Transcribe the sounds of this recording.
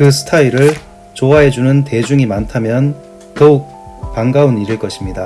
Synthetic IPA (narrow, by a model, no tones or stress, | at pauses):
kɯsʰɯ̥tʰaiɾɯɭ | t͡ɕoaɦe̞d͡ʑunɯnte̞d͡ʑuŋimantʰamjʌn | tʌuk̚paŋɡauniɾɯɭk͈ʌɕʰimɲida